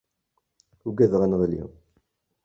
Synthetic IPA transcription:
uɡæðʁænʁlḭ

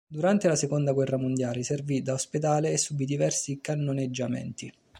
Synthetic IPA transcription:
d̪uɾant̪elasekond̪aɡwɛrːamond̪jaːleservid̪aosped̪aːleːsːubid̪ivɛrsikanːoned͡ʒːamɛ̰nt̪i

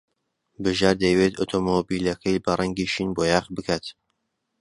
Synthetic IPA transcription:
bɨʒaːɾd̪ɐjwet̪o̰t̪ʰomobiːlɐkʰɐjbɐrʔɐŋɡiʃiːnboːjaːχbɨkʰaːt̪

